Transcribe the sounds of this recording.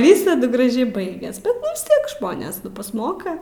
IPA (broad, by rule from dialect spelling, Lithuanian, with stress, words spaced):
ˈʋʲiːsɐdʊ ɡrɐˈʒʲɛɪ ˈbɐɪɡʲɛs ʋʲɪs ˈtʲiɛk ˈʒmoːnʲeːs nʊ pɐsˈmoːkɐ